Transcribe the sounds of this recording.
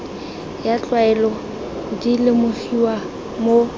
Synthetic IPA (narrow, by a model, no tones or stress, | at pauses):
jat͡ɬʼwaɛlɔ | dilɪmʊfiwa | mo